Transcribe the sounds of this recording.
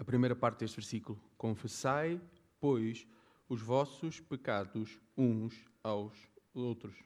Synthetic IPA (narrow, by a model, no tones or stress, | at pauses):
ɐpɾimejɾɐpaɾt̪̚d̪eʃt̪vɨɾsikulˠukõfɨsaj | pojʃ | uʒvɔsuʃpɨkaðuʃũʃ | awʃowt̪ɾuʃ